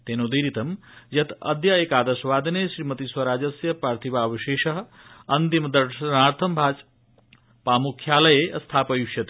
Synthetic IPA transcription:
t̪eːnoːd̪iɾit̪ɐmjɐt̪ɐ̰d̪jɐeːkaːd̪ɐʃɐʋaːd̪ɐneːʃɾiːmɐt̪iswɐɾaːd͡ʒɐsjɐpaːɾt̪ʰibaːʋɐʃeːʃɐɦɐ̆ | ɐnt̪imɐd̪ɐɾɐnaːɾt̪ʰɐmbʱaːt͡ʃ | paːmukʰːjaːlɐjeʔɐst̪ʰaːpɐjuʃjɐt̪ː

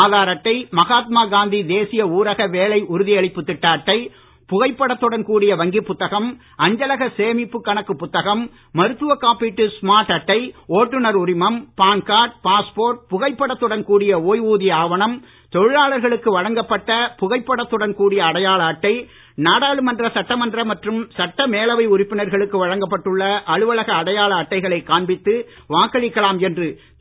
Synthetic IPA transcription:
aːðaːɾɐʈːɐɪmɐɣaːt̪̚maːɡaːnd̪id̪eːsɪjɐuːɾɐɣɐʋeːlɐɪʔʊɾɯðɪjɐɭɪpːɯt̪ːɪʈːaːʈːɐɪ | pʊɣɐɪpːɐɽɐt̪ːɯɽɐnkuːɽɪjɐʋɐŋɡɪpːʊt̪ːɐɣɐm | ʔɐɲd͡ʒɐlɐɣɐseːmɪpːɯkːɐɳɐkːɯpːʊt̪ːɐɣɐmː | ɐɾɯt̪ːɯʋɐkːaːpːiʈːɯsmaːɾʈːɐʈːɐɪoːʈːɯnɐɾʊɾɪmɐmpaːnkaːʈ̚paːspoːɾʈ̚pʊɣɐɪpːɐɽɐt̪ːɯɽɐnkuːɽɪjɐoːjʋuːðɪjɐaːʋɐnɐm | t̪ɔɻɯɻaːɭɐɾɣɐɭɯkːɯʋɐɻɐŋɡɐpːɐʈːɐpʊɣɐɪpːɐɽɐt̪ːɯɽɐnkuːɽɪjɐːɽɐjaːɭɐːʈːɐɪ | naːɽaːɭɯmɐndrɐsɐʈːɐmɐndrɐmɐʈrɯmsɐʈːɐmeːlɐʋɐɪʊɾɪpːɪnɐɾɣɐɭɯkːɯʋɐɻɐŋɡɐpːɐʈːɯɭːɐʔɐɻɯʋɐɭɐɣɐːɽɐjaːɭɐːʈːɐɪɣɐɭɐɪkːaːɳbɪt̪ːɯ | ʋaːkːɐɻɪkːɐɭaːmɛndrɯ

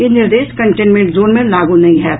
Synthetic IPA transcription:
jeːnɪɾd̪eːʃkɐ̃ɳʈeːnmẽɳʈzoːnmẽlaːɡunɐɦĩɦɛː

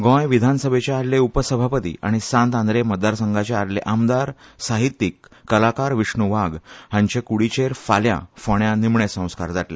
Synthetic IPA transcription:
ɡɔ̃jʋid̪ʱansəbʱet͡ɕeaɾleupəsəbʱapət̪ḭːa̰ɽ̃isãnt̪ãnd̪ɾeməd̪ːaɾsəŋɡat͡ɕeaɾlḛʔamd̪aɾsaɦit̪ːikːəlakaɾʋiʂɳuʋaɡhãɲt͡ɕekuɽit͡ɕeɾfaljã̰foɳjãnimɳesə̃w̃ska̰ɾd͡zaʈlḛ

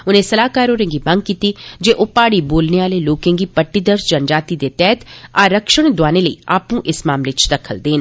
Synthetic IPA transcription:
ʊnẽsɐlaːkaːɾoːɾẽŋɡimɐ̃ŋɡ̚kiːt̪id͡ʒeːʔʊpaːɽiboːlneʋaːleloːkẽŋɡipɐʈːid̪əɾsd͡ʒɐnd͡ʒaːt̪id̪et̪ɛːt̪aːɾəkʃəɽ̃d̪ʊwaːneləḭaːpũʔɪsmaːmlet͡ʃd̪ɐkʰəld̪eːn

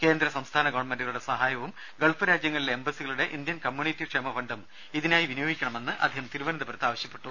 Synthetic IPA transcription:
ke̞ːnd̪ɾɐsɐmst̪ʰaːnɐɡoːʋɐɳmendiɣɐɭuɽesɐɦaːjɐʋum | ɡeɭfɐɾaːd͡ʑjɐŋːɐɭileembɐsiɣɐɭuɽe̞ʔind̪jɐnkɐmjuːnitːikʂemɐfɐnɖɐm | iðinaːjiʋinujoːɡikʲːɐɳɐme̞nːɨʔɐ̰d̪ʱːihɐmt̪iɾuʋɐnɐðɐpɐɾɐt̪ːaːʋɐɕjɐpːe̞̥ʈːu

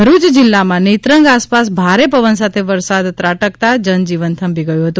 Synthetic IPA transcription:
əɾut͡ʃd͡ʒɪlːamãnet̪ɾəŋɡaspas̬bʱaɾepəʋənsat̪ʰeʋəɾsad̪t̪ɾaʈəkt̪ad͡ʒənd͡ʒiʋənt̪ʰəmbiɡəjũɦət̪ũ

